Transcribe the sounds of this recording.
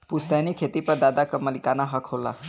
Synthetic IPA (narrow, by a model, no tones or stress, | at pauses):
pust̪janikʰet̪ipəɾd̪ad̪akəməlikanaɦəkʰɦolːa̰